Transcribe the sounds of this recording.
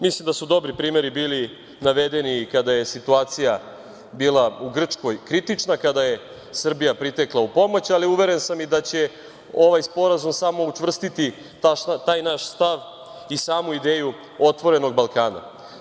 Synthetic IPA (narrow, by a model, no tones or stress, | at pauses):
mislimd̪asud̪o̞bɾipɾiːme̞ɾibiːli | naʋe̞d̪e̞nikad̪aje̞sit̪uaːt̪sija | biːlˠauɡr̩t͡ʂko̞jkɾit̪it͡ʂnakad̪aje̞ | sr̩bijapɾit̪e̞klˠaupo̞mo̞t͡ɕaliuʋe̞ɾensamid̪at͡ɕe̞ | o̞ʋajspo̞ɾazumsamo̞ut͡ʂʋr̩st̪it̪i | t̪aʃat̪aːjnaʃst̪aʋ | isaːmuid̪eːju | o̞t̪ʋo̞ɾe̞noɡbalˠkaːna̰